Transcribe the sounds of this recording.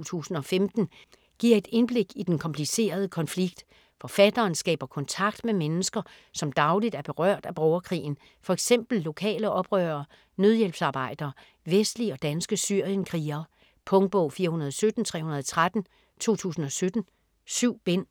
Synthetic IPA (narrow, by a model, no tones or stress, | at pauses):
t͡sʰṵːsn̩ɒ̽femd̥n̩ | ɡ̥iɐ̰e̝d̥e̝nb̥le̝ɡ̥id̥enkʰɒ̽mpʰlise̝̰ːɐð̞ˠəkʰɒ̽nfliɡ̥d̥ | fɒ̽fæd̥ɐːnsɡ̥ɛ̰ːb̥ɐkʰɒ̽nt͡sʰɑ̈ɡ̥̚d̥memenəsɡ̥ɐ | sɒ̽md̥ɑ̈ʊlid̥æɐb̥e̝ʁɶɐ̰d̥æb̥ʁɒʊɐkʰʁḭːn̩ | fɒ̽eɡ̥sem̰b̥l̩ːo̝kʰɛ̰ːləʔɒ̽b̥ʁœːɐː | nøðˠjelb̥sɑ̈ːb̥ɑ̈ɪ̰d̥ɐː | ʋesd̥liɒ̽d̥ænsɡ̥əsyɐ̰jənkʰʁiːɐ | pʰɔ̽ŋ̚b̥ɔʊfiːɐhunɐð̞ˠɒsød̥n̩t͡sʰʁɛ̰ːhunɐð̞ˠɒ̽t͡sʰʁad̥n̩ | t͡sʰo̝̰ːt͡sʰṵːsn̩ɒ̽sød̥n̩ | syʊ̰b̥en̰